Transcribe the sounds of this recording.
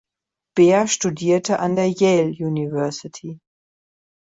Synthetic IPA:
b̥eːɐʃtudiːɐtəʔandeːɐjɛljuːnivɛɐsɪtʰi

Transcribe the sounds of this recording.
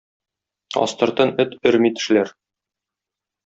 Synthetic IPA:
ɒ̰st̪ɤ̆ɾt̪ɤnɵt̪ɵɾmit̪ɘ̥̆ʃlæɾ

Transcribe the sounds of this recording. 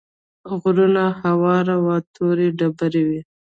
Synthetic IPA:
ɣɾunahawɑɾawɑt̪ʰoɾeɖabaɾewi

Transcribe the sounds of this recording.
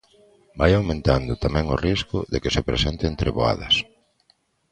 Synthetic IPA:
bajawmẽnt̪and̪ʊt̪amɛ̃ŋʊriskʊðekɪsepɾesent̪ɪːnt̪ɾeβoa̰ðɐ̰s

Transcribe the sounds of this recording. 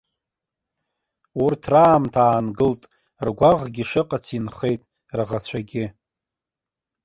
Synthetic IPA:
urtʰraːmtʰaːnɡɨltʼ | rɡʷaʁɡʲɪʂɨqʼat͡sʰinχe̞jtʼ | raʁat͡ɕʷʰaɡʲɪ

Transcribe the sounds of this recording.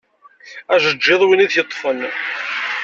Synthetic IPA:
æʒəd͡ʒːeðˤwiniðçət̪ˤːfən

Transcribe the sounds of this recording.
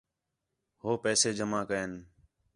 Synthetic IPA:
hoːpɛːseːd͡ʒəmãːkəeːn

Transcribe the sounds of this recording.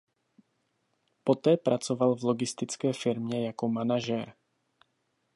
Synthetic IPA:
pot̪ɛːpɾat͡sovalvloɡɪst̪ɪt͡skɛːfɪɾmɲɛjakomanaʒɛɾ

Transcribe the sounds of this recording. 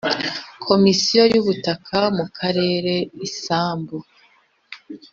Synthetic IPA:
kʰo̞misijo̞juβutakʰamukʰaɾe̞ːɾe̞isaːmbu

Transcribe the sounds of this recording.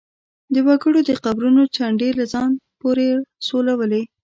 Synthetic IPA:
d̪əwaɡəɽod̪əqabɾunot͡ʃaɳɖelazɑnpoɾesolawəle

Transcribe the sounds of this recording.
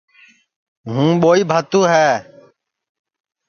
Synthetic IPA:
ɦũːɓoːiːbʱət̪ũːɦɛː

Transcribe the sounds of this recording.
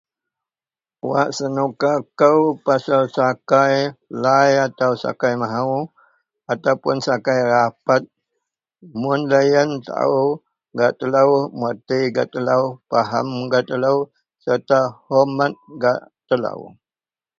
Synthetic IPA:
wa̰ʔsənukakəwpasalsakajlajat̪awsa̰kajmaɦaw | at̪awpʊnsakajrapat̪̚ | mʊnlajənt̪a̰u | ɡat̪əlawmwat̪iɡat̪əlawpaɦa̰mɡat̪əlaw | sərt̪ahɔmat̪̚ɡaʔt̪əla̰w

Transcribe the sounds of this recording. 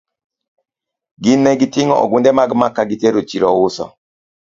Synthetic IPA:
ɡinːɛɡitɪŋɔ̰ʔɔ̰ɡundɛmaɡmakːaɡiteɾot͡ʃiɾɔwusɔ̰

